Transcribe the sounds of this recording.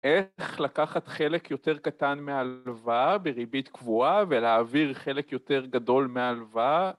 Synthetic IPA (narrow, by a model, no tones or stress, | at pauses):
ʔeχlakaχat̪χelekjo̞te̞ʁkat̪anmealvabeʁibit̪kvuaveleːviʁχe̞le̞kjo̞t̪e̞ʁɡado̞lmealva